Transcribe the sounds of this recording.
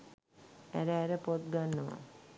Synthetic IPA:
æ̰ɾəæɾəpot̪̚ɡanːəʋa̰

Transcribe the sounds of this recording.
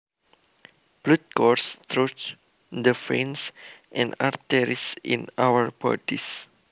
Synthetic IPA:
b̥lut̪̚kɔrst̪ɹot͡ʃ | d̪əfẽnsʔɛ̃na̰rt̪ɛɾisḭ̃nawəɹbɔ̰dis

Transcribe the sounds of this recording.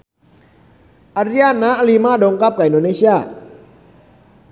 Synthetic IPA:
ʔaɾiaːnːaʔalimaːdoŋkap̚kaindoːnesʰia

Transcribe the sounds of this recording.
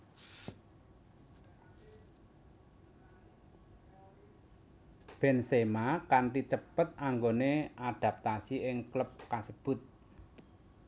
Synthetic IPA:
b̥ɛ̤nsemakanʈit͡ʃəpət̪̚aŋɡoneaɖ̪̥ä̤p̚t̪asiɪŋkləp̚kasəb̥ʊ̤t̪̚

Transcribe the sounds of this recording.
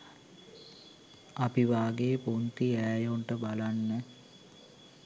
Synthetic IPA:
apiʋaːɡepunt̪iæːjoɳʈəbalanːə

